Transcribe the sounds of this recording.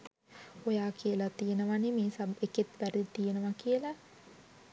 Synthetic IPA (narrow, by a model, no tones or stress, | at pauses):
ojaːkijəlat̪ijenəʋanemeːsaeket̪ʋæɾit̪ijenəʋakijəlɐ